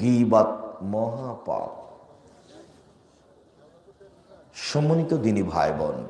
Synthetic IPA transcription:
ɡibat̪̚mɔɦapa̰p | ʃɔmonit̪od̪inibʱa̰jbɔ̰n

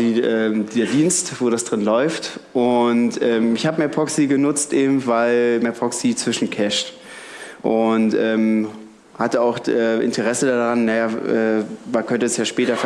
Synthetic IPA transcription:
iʔɛːmdeːɐdiːnstv̥oːdasd̥ʁɪnlɔʏftʔʊntʔɛːmɪçhaːbəmɛɐpʰʁɔksiɡənʊt͡stʔeːbm̩vaɪlmɛːɐpʁɔksit͡sv̥ɪʃn̩kʰɛʃt | ʔʊntʔɛːm | hatəaʊxʔɛːʔɪ̰ntʰəʁɛsədaːdaʁanːajaːʔɛ̰ːmankʰœntəɛsjaːʃpɛːtɐf

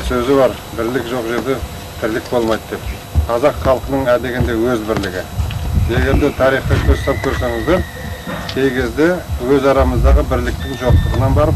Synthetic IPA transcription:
sɵzɪbɑɾ | bɪɾlɪkʒo̞qʒe̞ɾd̪e̞ | t̪ʰɪɾlɪk̚bo̞lˠmɑjd̪d̪e̞p̚ | qʰɑzɑqχɑlˠqənəɴæd̪eɡʲɪnd̪e̞wɵzbɪɾlɪɡʲɪje̞ɡʲe̞ɾd̪ɪt̪ʰɑɾijχɑjkʲʰɵɾst̪ɑp̚kʲʰɵɾseŋəzben | kʲʰe̞jkʲʰe̞zd̪ewɵzɑɾɑməzd̪ɑʁəbɪɾlɪk̚t̪ɪŋʒo̞q̚t̪əʁənɑnbɑɾəp

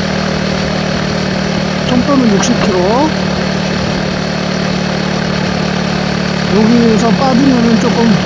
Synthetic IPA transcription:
t͡ɕʰoŋp͈ʌnɯnjuk̚ɕ͈ʰip̚kʰiɾo | jʌɡiesʰʌp͈adɯnʌnɯnt͡ɕ͈ok͈ʌm

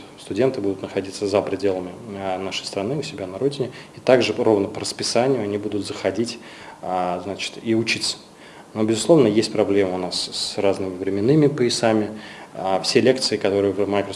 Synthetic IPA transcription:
st̪ʊdʲe̞nt̪ɨbud̪ʊt̪nəxɐdʲit̪səzəpɾʲɪdʲe̞lˠəmʲɪnaʂəjst̪ɾɐnɨʊsʲɪbʲanɐɾo̞dʲɪnʲɪɪt̪aɡʐɨro̞vnəpəɾəspʲɪsanʲɪjʊɐnʲibud̪ʊt̪zəxɐdʲitʲ | znat͡ɕɪ̥t̪iʊt͡ɕit̪sə̥ | no̞bʲɪzʊsˠo̞vnəjesʲtʲpɾɐblʲeməʊnasraznɨmʲɪvɾʲɪmʲɪnːɨmʲɪpəɪsamʲɪ | fsʲelʲe̞kt̪sɨɪkɐt̪o̞ɾɨjəvmajkɾə

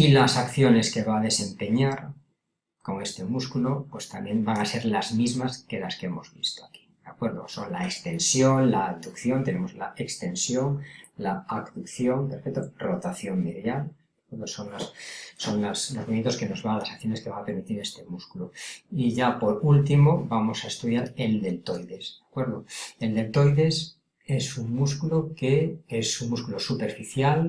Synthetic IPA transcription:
ilasakθjo̞ne̞ske̞βaːðe̞se̞mpe̞ɲaɾ | ko̞ŋe̞st̪e̞muskulopwe̞st̪ambjembaŋase̞ɾlazmizmaske̞laskee̞mo̞̰zβist̪oaki̥d̪̥akwe̞ɾðo̰so̞nlaekst̪e̞nsjoŋlaːkd̪ukθjo̞nt̪e̞ne̞mo̞zlaekst̪e̞nsjoŋlaakd̪ukθjo̞ŋpeɾfek̚t̪orot̪aθjo̞mbeðjal | akweɾðoso̞ŋlasːo̞nlaslo̞zminent̪oke̞no̞zβaːlasakθjo̞neke̞βaŋape̞ɾmit̪iɾe̞st̪e̞muskuloiʝapo̞ɾult̪imo̞bamo̞saest̪uðjaɾe̞ld̪e̞lt̪o̞jðe̞sdjakwe̞ɾðo̞e̞ld̪e̞lt̪o̞jðe̞s | e̞suŋmuskuloke̞esuŋmuskulosupe̞ɾfiθjal

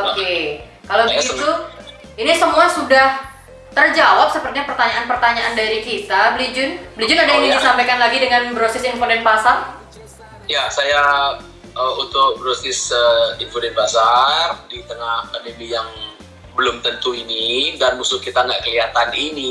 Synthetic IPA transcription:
oke | kaloɡit̪u | inisəmuasudah | t̪ərd͡ʒawap̚səpərt̪iɲapərt̪aɲaʔanpərt̪aɲaʔandaɾikit̪ablid͡ʒʊnbəlid͡ʒʊnadajaŋidisampajkanlaɡidəŋanbɾosɛsinfonɛnpasar | jasaja | əut̪ʊk̚bɾosɛsəinfonɛnpasardit̪əŋakandemijaŋ | bəlʊmt̪ənt̪uinidanmusʊhkit̪aŋɡaʔkəliat̪anini

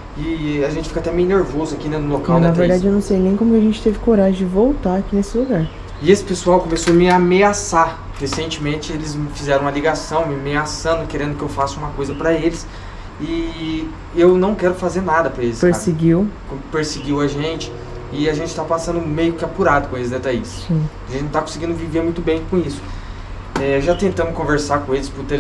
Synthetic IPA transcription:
ɪaʒẽnt͡ʃɪ̥fikat̪ɛmẽjneɾvozʊakinɛnʊlokawnɐveɾd̪ad͡ʒɪewnɐ̃w̃sejnẽj̃kõmʊkʲaʒẽnt͡ʃɪ̥t̪evɪkoɾaʒɪ̃d͡ʒɪvowt̪aakinesɪluɡaɾ | ɪesɪ̥pesuawkõmesoɐmɪameasa | hesẽnt͡ʃɪmẽt͡ʃɪelɪzmɪfizɛɾɐ̃mɐliɡasɐ̃w̃mɪameasɐ̃nd̪ʊkeɾẽnd̪ʊkɪewfasʊũmɐkojzɐpɾɐelɪs | ɪ | ewnɐ̃w̃kɛɾʊfazeɾnad̪ɐpɾɐelɪspeɾaseɡiwkõpeɾseɡiwɐʒẽnt͡ʃɪ̥ | ɪaʒẽnt͡ʃɪt̪apasɐ̃nd̪ʊmejʊkɪapuɾad̪ʊkõesɪzd̪et̪aḭssĩ | ʒẽnt̪akõsɪɡĩnd̪ʊviveɾmũj̃t̪ʊbẽj̃kõisʊ̥ | ɛwʒat̪ẽnt̪ɐ̃mʊkõveɾsakõelɪspʊɾt̪e

